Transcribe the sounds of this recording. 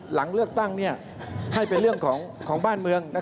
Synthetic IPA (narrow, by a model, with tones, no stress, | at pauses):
la˩˦ŋlɯ˥˩ək̚t̪a˥˩ŋni˥˩ɐ | ha˥˩jpe˧nɾɯ˥˩əŋkʰɔː˩˦ŋkʰɔː˩˦ŋbaː˥˩nmɯ˧əŋna˦˥